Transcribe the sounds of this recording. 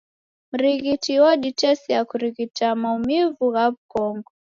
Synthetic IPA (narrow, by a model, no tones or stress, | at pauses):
m̩ɾiɣitiwɔɗit͡ʃɛsijakuɾiɣitamaumivuɣaβukɔŋɡɔ